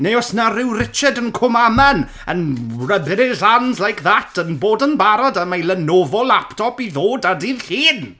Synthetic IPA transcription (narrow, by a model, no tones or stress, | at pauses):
neɔsnaɾɪwrɪt͡ʃɛdənkʰʊmamɛn | ənrəbɪɾɪzanzlajkðatʰənboːdənbaɾɔdamajlˠənovɔlˠːaptʰɔpiðoːdadiːðɬiːn